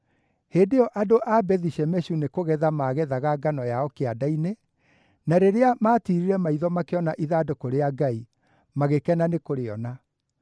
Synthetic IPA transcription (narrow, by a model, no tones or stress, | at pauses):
heːndeɔʔadoʔabɛðiɕɛmɛɕunekoɣɛðamaːɣɛðaɣaɡanɔjaɔkeadaine | naɾeɾeamaːtiɾiɾɛmaiðɔmakeɔnaʔiðaːdokoɾeaɡai | maɣekɛnanekoɾeɔna